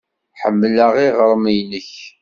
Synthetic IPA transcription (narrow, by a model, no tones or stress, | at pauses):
ħəmːləʁiʁəɾˤmijnəç